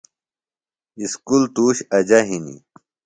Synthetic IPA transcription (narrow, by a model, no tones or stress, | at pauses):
iskult̪uːɕɐd͡ʑaɦinḭ